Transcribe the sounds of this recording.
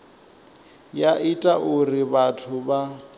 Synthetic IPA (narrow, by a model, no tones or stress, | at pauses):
jaʔitʼaʔʊriβatʰʊba